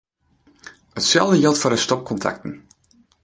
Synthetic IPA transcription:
ətsɛ̰lˠdəjɪlˠtfɔdəstɔk̚kʰɔntʰa̰k̚tən̩

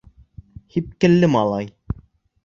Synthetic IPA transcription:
hip̚kɘ̆lːɘmɑlˠɑj

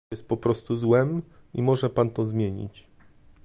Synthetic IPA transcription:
ɛst̪̚pɔpɾɔst̪uzwɛm | imɔʐɛpant̪ɔzmʲjeɲḭt͡ɕ

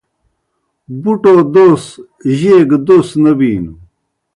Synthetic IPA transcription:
buʈoːd̪oːs | ʑeːɡd̪oːsnɐbiːnu

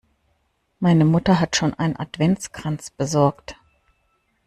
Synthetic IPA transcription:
maɪnəmʊtɐɦatʃoːnʔa̰ɪnənʔa̰tv̥ɛnt͡skʁ̥ant͡sb̥əzɔɐkt

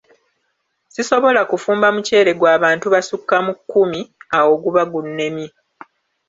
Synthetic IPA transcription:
siso̞βo̞lakufuːmbamuce̞ːɾe̞ɡwaːβaːntuβasukːamukːumiawo̞ɡuβaɡunːe̞mji

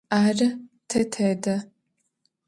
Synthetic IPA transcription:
aːrɐ | tʰɐtʰɐdɐ

